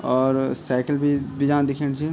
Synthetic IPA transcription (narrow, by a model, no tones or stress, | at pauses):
ɔːɾsɛːkəlbʱibʱid͡ʒãːd̪ɪkʰẽɽt͡ʃʰi